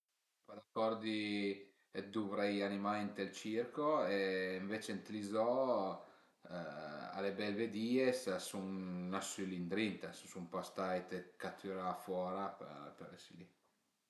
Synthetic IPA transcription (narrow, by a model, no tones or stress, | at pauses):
pad̪akɔɾd̪i | ed̪uvɾɛjanimajint̪elt͡ʃirkoeiɱvet͡ʃent̪ilizɔ | a̰lebɛlved̪iːessuŋːasylind̪ɾint̪assumpast̪ajt̪ekat̪ʰːyɾafwɔːɾapḛɾpeɾɛsili